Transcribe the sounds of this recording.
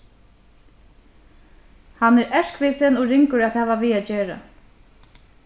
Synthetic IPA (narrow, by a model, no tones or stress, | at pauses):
hanɛɾɛʂkʋɪsɛnɔɾɪŋkʊɾat̪ʰaːʋaʋiːad͡ʒeːɹa̰